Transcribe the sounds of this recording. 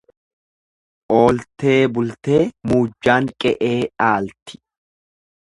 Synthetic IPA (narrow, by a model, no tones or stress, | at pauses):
ʔo̞ːlt̪e̞ːbʊlt̪e̞ːmuːd͡ʒːaːŋkʼɛʔeːᶑaːlt̪ɪ̥